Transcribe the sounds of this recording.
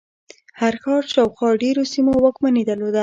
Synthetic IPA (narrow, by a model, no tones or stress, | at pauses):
haɾxɑɾʃɑwxwɑɖeɾosimowəkmaned̪əlod̪a